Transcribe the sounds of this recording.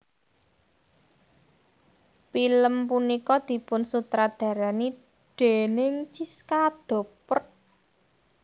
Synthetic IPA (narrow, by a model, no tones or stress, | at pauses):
piləmpunikɔd̪̥i̤pʊnsut̪ɾad̪̥ä̤ɾani | d̪̥e̤nɪŋt͡ʃiskad̪̥o̤pət̪̚